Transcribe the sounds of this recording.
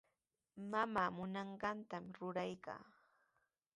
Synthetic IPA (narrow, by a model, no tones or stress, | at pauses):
mamaːmʊnɑɴɢɑnt̪amɾʊɾajka̰ː